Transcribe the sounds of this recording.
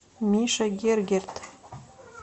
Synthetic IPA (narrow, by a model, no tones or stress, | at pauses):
miʃaɡʲerɡʲert̪ʰ